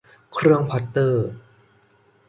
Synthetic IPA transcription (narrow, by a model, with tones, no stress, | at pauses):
kʰɾɯ˧əŋpʰɔ˨˧˥t̪ːɤː˧˩